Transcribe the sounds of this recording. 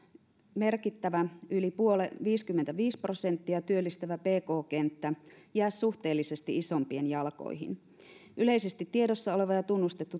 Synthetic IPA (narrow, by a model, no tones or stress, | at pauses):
me̞rkit̪ːæʋæylipuoleʋiːskymːent̪æʋiːspro̞se̞nt̪ːiɑt̪yølːist̪æʋæpe̞ːko̞ːke̞nt̪ːæjæːssuht̪e̞ːlːise̞st̪iisompienjɑlko̰jɦḭn | ʔyle̞ise̞st̪it̪ːieɾosːɑole̞ʋɑjɑt̪unːust̪et̪ːu